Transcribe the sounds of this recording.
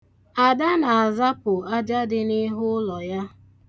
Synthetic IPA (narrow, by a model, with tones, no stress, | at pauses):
a˨da˦na˨a˨za˦pʊ˨a˦d͡ʒa˦dɪ˦ni˦ɦʊ˦lɔ˨ja˦